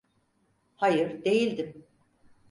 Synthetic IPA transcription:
hajɯɾd̪e̞jilʲd̪im

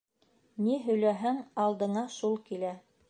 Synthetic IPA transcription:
niɦɵ̆jlæɦæŋɑlˠd̪ɤ̆ɴɑʃulˠkilæ

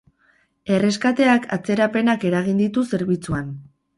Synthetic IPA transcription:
e̞re̞skat̪e̞akʰa̰t͡se̞ɾape̞nake̞ɾaɣ̞ind̪it̪use̞ɾβit͡suan

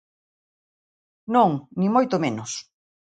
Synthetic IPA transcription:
nõŋnĩmojt̪omẽnʊs

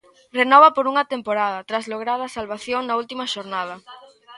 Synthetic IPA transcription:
renɔβɐpoɾuŋɐt̪empoɾaðɐt̪ɾazloɣ̞ɾaðɐsalβaθjoŋnɐult̪imɐʃoɾnaðɐ

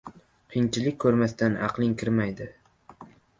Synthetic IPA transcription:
qʰiŋt͡ʃʰɪlɪkʲkʰːɵɾmast̪anɑ̰qlˠɪŋkʲʰɪɾmajd̪ɪ

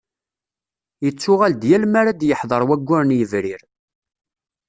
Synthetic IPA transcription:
jət͡sːʊʁæld̪jælmaɾad̪jəħðˤəɾˤwæɡʷːʊɾnjəvɾɪɾ

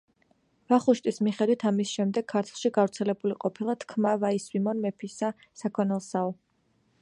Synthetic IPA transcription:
vaχuʃt̪ʼismiχɛd̪wit̪ʰamisʃɛmd̪ɛɡ̥ʰːaɾt̪ʰlˠʃiɡavɾt̪sʰɛlɛbuliqʼɔpʰilˠat̪ʰkʰmavaiswimɔnmɛpʰisa | sakʰɔnɛlˠsaɔ

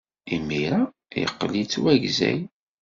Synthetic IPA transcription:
imːiɾa | jə̰qːlit͡sːwæʝzæ̰j

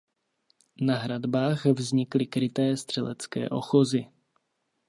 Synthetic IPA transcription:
naɦɾad̪baːxvzɲɪklɪkɾɪt̪ɛːst̪r̝̥ɛlɛt͡skɛ̰ːʔo̞̰xozɪ

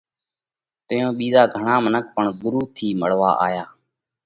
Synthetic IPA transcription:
t̪ɪjõːɓiːzaːɡʱəɳaːmənək̚pəɳɡʊɾuːt̪ʰiːməɽʋa̰ːʔa̰ːjaː

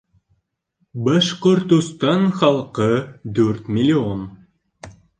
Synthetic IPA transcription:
bɑʃqoɾt̪ust̪ɑnχɑlˠqɤd̪ɵɾt̪mʲɪlʲion

